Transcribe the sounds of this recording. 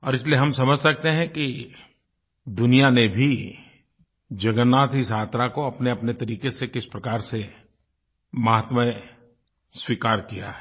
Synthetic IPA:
ɔːɾɪslieɦɐmsɐməd͡ʒʱsɐk̚t̪eɦɛ̃ki | d̪ʊnijanebʱi | d͡ʒɐɡənːaːt̪ɪsaːt̪ɾakoɐpneɐpnet̪ɐɾiːkesekɪspɾɐkaːɾse | maɦt̪mə | swiːkaːɾkija̰ɦɛ

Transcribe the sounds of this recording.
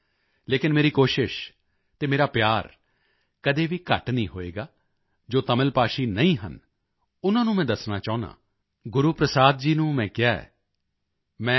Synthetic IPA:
leːkɪnmeːɾiːkoːʃɪʃ | t̪eːmeːɾaːpɪjaːɾ | kəd̪eːʋiːkə̰ʈnĩːɦoːḛːɡaː | d͡ʒoːt̪əməlpaːʃiːnəĩːɦə̰n | ʊnãːnũːmɛ̃ːd̪əsnaːt͡ʃaːʊ̃nã̰ː | ɡʊɾuːpɾəsaːd̪̚d͡ʒiːnũːmɛ̃ːkɪaːɛ̰ː | mɛ̃ː

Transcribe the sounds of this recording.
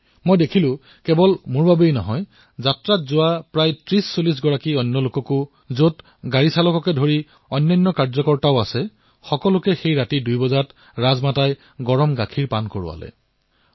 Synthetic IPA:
mojdekʰilʊ̃ | kɛbɔlmʊɹbabejnɔɦɔj | zatɹatzʊapɹajtɹisːolisɡɔɹakiɔjnːɔlʊkɔkʊ | zot | ɡaɹisalɔkɔkɛdʱoɹi | ɔjnːɔjnːɔkaɹzɔkɔɹtaʊasɛ | xɔkɔlʊkɛxejɹatidujbɔzat | ɹazmataj | ɡɔɹɔmɡakʰiɹpankɔɹʊ̰a̰lɛ̰

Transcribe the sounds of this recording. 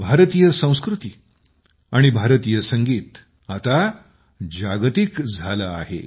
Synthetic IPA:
bʱaɾt̪ijəsə̃w̃skɾut̪i | aɽ̃ibʱaɾt̪ijəsəŋɡiːt̪ | at̪a | d͡ʑaɡt̪ikd͡zʱalaːɦḛ

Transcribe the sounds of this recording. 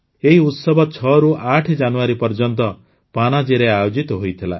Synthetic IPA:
eɦiut̪sɔbʱɔt͡ʃʰɔɾuʔaʈʰd͡ʒanuaɾipɔɾd͡ʒɔnt̪ɔ | panad͡ʒiɾeajod͡ʒit̪ɔɦojt̪ʰila̰

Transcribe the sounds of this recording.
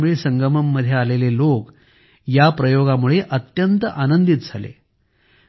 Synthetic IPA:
miɭesəŋɡəməmːəd̪ʱjaalelelok | japɾəjoɡamuɭeʔət̪jənt̪əʔanənd̪it̪̚d͡zʱalḛ

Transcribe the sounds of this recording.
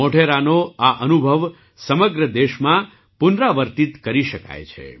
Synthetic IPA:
oʈʰeɾanoaʔənubʱəʋ | səməɡɾəd̪eʃmã | pʊnɾaʋəɾt̪it̪kəɾiʃəka̰jt͡ʃʰḛ

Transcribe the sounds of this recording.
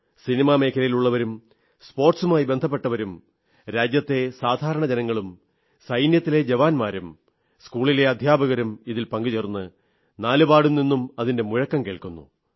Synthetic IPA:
sinimaːme̞ːkʰɐlɐjiluɭːɐʋɐɾum | spo̞ːrʈsumaːjibe̞nd̪ʱɐpːe̞ʈːɐʋɐɾum | ɾaːd͡ʑjɐt̪ːe̞saːd̪ʱaːɾɐɳɐd͡ʑenɐŋːɐɭum | sɐjnjɐt̪ːile̞d͡ʑeʋaːnmaːɾum | skuːɭile̞ɐd̪ʱjaːbɐɣɐɾumiðilpɐŋɡut͡ɕeːrnːɨ | naːlubaːɽumninːumɐðinde̞muɻɐkːɐmkeːɭkunːṵ

